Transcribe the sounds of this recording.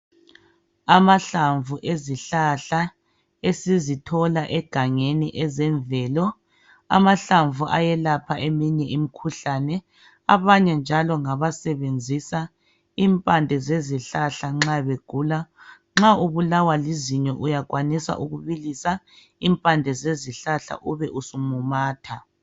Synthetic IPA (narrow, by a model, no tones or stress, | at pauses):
amaɬaɱvuʔeziɬaɬa | esizitʰɔlaʔɛɡ̥ʱaŋeniʔɛzɛɱvɛːlɔ | a̰maɬaɱvuʔajɛlapʰaʔemiɲɛʔimikʰuɬanɛ | aβaɲɛnd͡ʒʱalɔŋaβasɛβend͡zʱisa | iːmpʼandʱɛzeziɬaɬaŋ͡ǁaβeɡ̥ʱuːla | ŋ͡ǁauβulawaliziɲɛʔujaɣwanisa̰ʔuɣuβilisa | iːmpʼandʱɛzeziɬaɬa̰ʔuβɛʔusumumaːtʰa